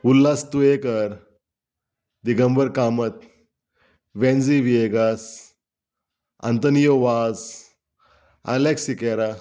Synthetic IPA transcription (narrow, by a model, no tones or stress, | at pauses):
ulːast̪uekəɾ | d̪iɡəmbəɾkamət̪̚ | ʋɛ̃nd͡ziʋieɡas | a̰nt̪ənijoʋaz | a̰leksikɛɾa